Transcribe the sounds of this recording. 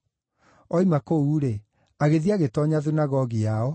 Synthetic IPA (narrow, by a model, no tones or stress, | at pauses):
ɔimakouːɾe | aɣeðiaɣetɔɲaðinaɣɔɣiaɔ